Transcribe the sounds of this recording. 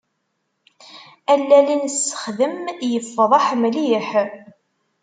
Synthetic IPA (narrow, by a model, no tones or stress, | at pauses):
ælːælinsːə̥χðəmjəfːðˤɑħmliħ